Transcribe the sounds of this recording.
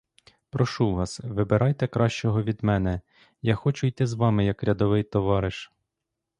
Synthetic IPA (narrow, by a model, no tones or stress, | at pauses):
pɾɔʃuʋɑsʋɪbeɾʔɑjt̪ɛkɾɑʃt͡ʃɔɦɔʋʲid̪mɛnɛ | jɑxɔt͡ʃʊjt̪ɪzʋɑmɪjɐkɾʲɐd̪ɔʋɪjt̪ɔʋɑɾɪʃ